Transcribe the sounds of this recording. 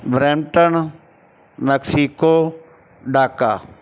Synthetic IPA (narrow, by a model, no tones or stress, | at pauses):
bɾeːmʈən | mɛksikoː | ɖaːkaː